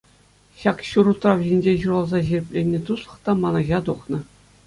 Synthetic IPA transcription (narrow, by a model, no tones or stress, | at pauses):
ɕɑkɕuɾut̪rɑʋʑinʲd͡ʑeʑuɾɑlˠzɑʑirʲɘpʲlʲenʲːet̪uʂlˠɤ̥̆χt̪ɑmɑnɑʑɑt̪uχnɤ̆